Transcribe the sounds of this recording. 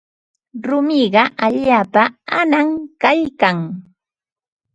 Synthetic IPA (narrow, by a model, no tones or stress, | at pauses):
ɾʊmɪɢɑʔaʎaːpaanaŋkajkaŋ